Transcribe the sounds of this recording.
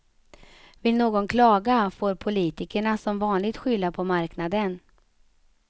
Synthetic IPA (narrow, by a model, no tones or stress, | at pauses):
vɪlnoːɡɔnkʰlɑːɡafoːɾpʰʊliːt̪ɪkəɳasɔmvɑːnlɪɡt̪ɧʏlːapʰɔmaɾknad̪ən